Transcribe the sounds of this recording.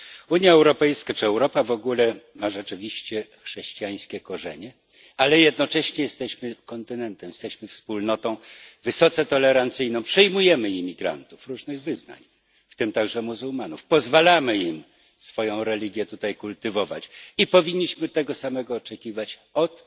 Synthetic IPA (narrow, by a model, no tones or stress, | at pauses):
uɲjaɛwɾɔpɛjskat͡ʂɘɛwɾɔpavɔɡulɛmaʐɛt͡ʂɘvʲiɕt͡ɕɛxʂɛɕt͡ɕijaj̃skʲɛkɔʐɛ̰ɲɛ | alɛjɛd̪nɔt͡ʂɛɕɲɛjɛst̪ɛɕmɘkɔnt̪ɘnɛnt̪ɛmjɛst̪ɛɕmɘfspulnɔt̪ɔ̃w̃vɘsɔt̪sɛt̪ɔlɛɾant̪sɘjnɔ̃w̃pʂɘjmujɛmɘimʲiɡɾa̰nt̪ufɾuʐnɘɣvɘzna̰ɲ | ft̪ɘmt̪aɡʐɛmuzumanufpɔzvalamɘim | sfɔjɔ̃w̃ɾɛlʲiɡʲjɛt̪ut̪ajkult̪ɘvɔva̰t͡ɕipɔvʲiɲːiɕmɘt̪ɛɡɔsamɛɡɔːt͡ʂɛkʲivat͡ɕɔt̪